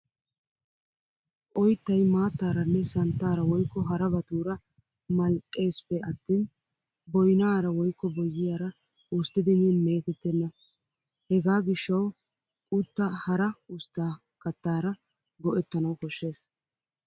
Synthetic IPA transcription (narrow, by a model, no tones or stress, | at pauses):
ʔɔjt̪ːɐjmaːt̪ːaːɾɐnːɛsɐnt̪ːaːɾɐwɔjkːɔɦɐɾɐbɐt̪uːɾɐ | mɐlkʼːe̞ːspːɛʔɐt̪ːiːn | bɔjnaːɾɐwɔjkːɔbɔjːɪjaːɾɐ | ʔʊst̪ːɪd̪ɪmɪjɔnme̞ːt̪ɛt̪ːɛnːɐ | hɛɡaːɡɪʃːɐw | ʊt̪ːɐhɐɾɐʊst̪ːaː | kɐt̪ːaːɾɐ | ɡɔʔɛt̪ːɐnɐwkɔʃːe̞ːs